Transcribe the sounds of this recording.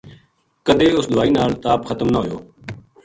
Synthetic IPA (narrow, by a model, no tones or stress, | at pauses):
kəd̪eːʊsd̪ʊaːiːnaːlt̪aːpxət̪əmnaɦoːjoː